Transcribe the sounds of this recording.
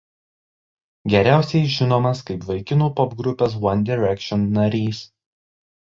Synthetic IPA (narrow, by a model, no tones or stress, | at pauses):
ɡʲɛɾʲæˑʊsʲɛɪʒʲɪnoːmɐskɐɪpʋɐɪkʲɪnuːpɔpɡɾʊpʲɛs̬wɐnʲd̪ʲɪɾʲɛkʲʃʲɔnnɐɾʲiːs